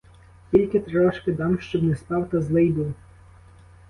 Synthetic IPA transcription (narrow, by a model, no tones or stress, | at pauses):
kʲilʲkɪt̪ɾɔʃkɪd̪ɑmʃt͡ʃɔbnɛsp̪ɑwt̪ɐzlˠɪjd̪ʊw